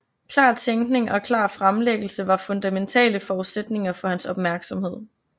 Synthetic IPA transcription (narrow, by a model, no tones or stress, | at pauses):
kʰlɑ̰̈ːt͡sʰeŋɡ̥ne̝ŋʔɒ̽kʰlɑ̰̈ːfʁamleɡ̥l̩səʋɑ̈fɔ̽nd̥æment͡sʰɛ̰ːləfɒsed̥ne̝ŋɐfɒ̽hænsɒ̽b̥mæɐɡ̥sɒ̽mhe̝ð̰ˠ